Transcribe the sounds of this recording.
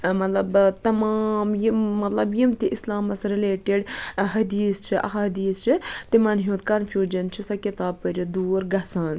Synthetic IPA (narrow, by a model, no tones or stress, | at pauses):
mɐt̪lɐbt̪ɐmaːmjimɐt̪lɐbjimt̪iʔislaːmɐsɾileːʈiɖɦɐd̪iːst͡ʃʰiʔɐ̰ɦaɐd̪iːst͡ʃʰit̪imɐnɦũːt̪kɐnfʰjuːd͡ʒɐnt͡ʃʰisɐkit̪aːb̚pəɾʲid̪uːɾɡɐsaːn